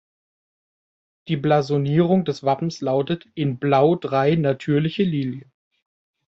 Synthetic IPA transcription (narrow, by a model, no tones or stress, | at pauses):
d̥iːblazoniːʁ̞ʊŋdɛsv̥apm̩slaʊtətɪnblaʊdʁaɪnatʰyːɐlɪçəliːnjə